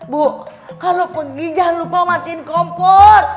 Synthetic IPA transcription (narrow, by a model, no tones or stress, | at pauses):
bo | kalopəɡid͡ʒanlupamat̪iːnkɔmpɔr